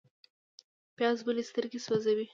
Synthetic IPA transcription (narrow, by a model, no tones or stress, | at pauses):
pjɑzbəlest̪əɾɡeswazawi